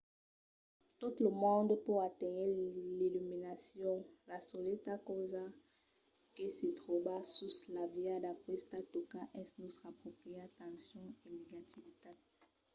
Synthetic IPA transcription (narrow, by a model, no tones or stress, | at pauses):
tutləmɔ̃ndpoatɛjɛlilyminasjɔ̃lasoletakoza | kesitʁobasuslavjadapχɛstatokaʔɛsnutʁapχopχiatãsjɔ̃eneɡativita